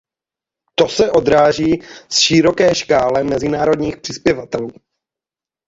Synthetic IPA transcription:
t̪o̞sɛʔo̞d̪ɾaːʒiːsʃɪɾo̞kɛːʃkaːlɛmɛzɪnaːɾo̞d̪ɲiːxpr̝̥ɪspjɛvat̪ɛluː

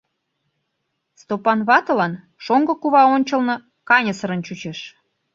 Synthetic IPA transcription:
st̪opɑnβɑt̪ɤ̆lɑn | ʃoŋɡɤ̆kuβɑonʲt͡ɕəlnɤ̆ | kɑnʲəsəɾənt͡ɕut͡ɕeʃ

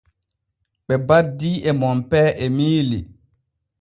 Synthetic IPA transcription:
ɓɛbadːiːɛmɔmpɛːʔɛmiːli

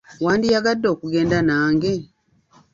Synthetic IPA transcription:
waːndijaɡadːo̞ːkuɡe̞ːndanaːŋɡe̞

